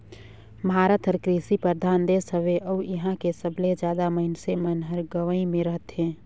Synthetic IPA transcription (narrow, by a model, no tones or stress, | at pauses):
mʱɦaːɾət̪ʰəɾkɾisipəɾd̪ʱaːnd̪eːsəʋeʔəuiɦãkesəbled͡ʒjaːd̪aməɪnsemənɦəɾɡəʋəĩmẽɾəɦət̪ɦẽː